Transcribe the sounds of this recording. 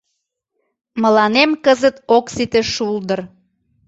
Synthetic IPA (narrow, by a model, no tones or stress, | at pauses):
mə̆lɑnemkəzət̪oksit̪eʃuld̪ər